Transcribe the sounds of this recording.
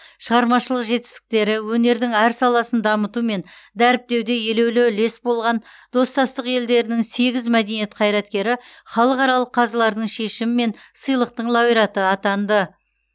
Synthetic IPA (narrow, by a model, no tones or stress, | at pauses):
ʃəʁɑɾmɑʃəlˠəqʒe̞t̪ɪ̥st̪ɪ̥k̚t̪e̞ɾɪwɵne̞ɾd̪ɪŋæɾsɑlˠɑsənd̪ɑmət̪ume̞nd̪æɾɪp̚t̪e̞wd̪e̞je̞le̞wlɪle̞sbo̞lˠʁɑnd̪̥o̞st̪ɑst̪əqje̞ld̪e̞ɾɪnɪŋse̞ɡʲɪzmæd̪e̞nije̞t̪qʰɑjɾɑt̪̚kʲe̞ɾɪχɑlˠəqɑɾɑlˠəqʰːɑzlˠɑɾd̪əɴʃe̞ʃɪmɪme̞n | səjlˠəq̚t̪əɴlˠɑijɾɑt̪əɑt̪ɑnd̪ə